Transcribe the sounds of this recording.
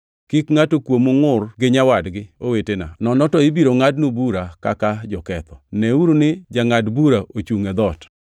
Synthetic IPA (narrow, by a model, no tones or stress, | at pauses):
kikŋatokwomoŋʊrɡɪɲawadɡɪowetena̰nɔnɔtɔɪbiɾoŋadnubuɾakakad͡ʒɔkɛt̪ɔnɛuɾunɪd͡ʒaŋadbuɾaʔot͡ʃuŋed̪ɔt